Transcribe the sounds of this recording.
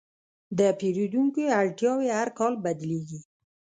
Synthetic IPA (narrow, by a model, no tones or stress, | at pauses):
d̪əpeɾid̪uŋkoaɽʈjɑwehaɾkɑlbad̪leɡi